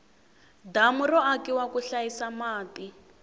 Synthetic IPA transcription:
damurɔakiwakuɬajisamaːti

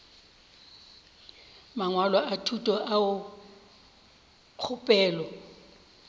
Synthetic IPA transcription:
maŋwalɔʔatʰutʼɔʔaʊ | q͡χʰʊpʼɛːlɔ

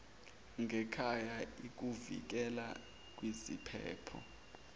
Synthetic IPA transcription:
ŋʱɛkʰajaik̬ʼuvḭk̬ɛla | k̬ʼwizipʰɛ̰ːpʰɔ̰

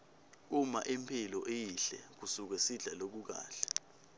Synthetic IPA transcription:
umaʔempʰilɔʔejiɬɛ̰k̬usuk̬wɛsiɮalok̬uk̬a̰ːɬḁ

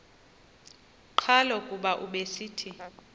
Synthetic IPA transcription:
ǃʰalɔkʼuɓaʔuɓesiːtʰi

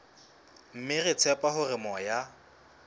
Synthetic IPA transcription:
m̩mɪrɪt͡sʰɛpʼaɦʊrɪmɔja

